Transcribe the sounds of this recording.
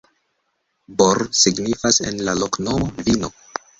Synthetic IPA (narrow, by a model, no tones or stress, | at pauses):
boɾsiɡnifase̞̰nlalo̞kno̞mo̞vino̞